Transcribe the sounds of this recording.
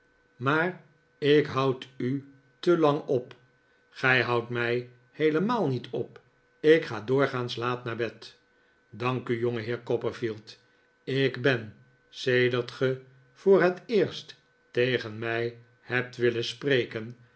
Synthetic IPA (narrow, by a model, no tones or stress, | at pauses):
maːr | ɪkɦʌwty | təlɑŋɔp | χɛjɦʌwtmɛj | hejləmaːlˠnitʰɔp | ɪkχaːdʊːɹχaːnslaːtnaɹbɛt | dɑŋkyjɔŋəɦɪːɹkɔpəɹfilˠt | ɪkbɛn | sejdəɹtχə | v̥ʊːɹɦətɪːɹst | tejχənmɛj | hɛp̚tʋɪləsprejkən